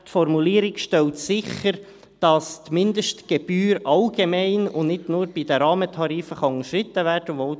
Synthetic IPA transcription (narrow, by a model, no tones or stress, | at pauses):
tfɔɾmuliːəɾɪkʃtɛltsɪχəɾ | d̥ɑst̪mɪndəʃtɡ̥ɛb̥yːɾɑlɡemɛɪnʊnɪdnʊːɾb̥idəɾɑːmətʰɑɾiːfəχɑʊŋəʃɾɪt̪ːəvæːrdəʋoʊ